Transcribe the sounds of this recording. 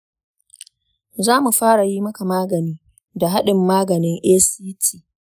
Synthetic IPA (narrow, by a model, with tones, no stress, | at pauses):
zaː˦mu˨ɸaː˦ɽa˨jiː˦mɐ˦ka˨maː˦ɡɐ˨niː˦ | da˨ɦa˦ɗɪ˨mːaː˦ɡɐ˨nɪ˦ŋʔeː˦siː˦tʰiː˦